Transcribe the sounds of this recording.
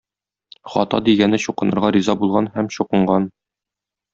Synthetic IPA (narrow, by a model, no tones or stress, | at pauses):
χɒ̰t̪ɑ̰d̪iɡænɘɕuqɤ̆nɤ̆ɾʁɑɾizɑbulˠʁɑnhæmɕuqɤ̆ɴɢɑn